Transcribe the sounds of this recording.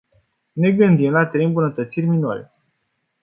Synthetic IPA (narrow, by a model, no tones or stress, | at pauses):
ne̞ɡɨnd̪imlat̪ɾejmbunət̪ət̪sirʲminua̰le